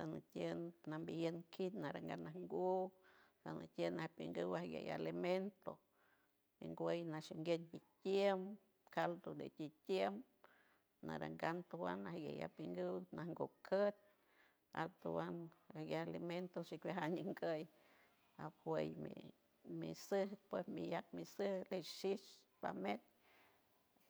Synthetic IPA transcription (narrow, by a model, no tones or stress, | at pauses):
sanət̪ʲjənnambijənkʰit̪naɾaŋɡa̰naŋɡusanə̰t̪ʲjənahpiŋɡɨwahɡʲḛja̰liment̪o | mḭŋɡʷəjnaʃiŋɡeɲ̚bit̪ʲjem | kalt̪od̪ḛt̪ʲit̪ʲjem | na̰ɾa̰ŋɡant̪owa̰nahɡʲeja̰piŋɡɨwnahŋɡokʰət̪̚ʲ | a̰t̪uwanahɡʲejaliment̪oʃikwaɦaɲiŋɡəj | aphwejmḭ | misɨhpwesmijak̚misɨhleʃiʃ | pamet̚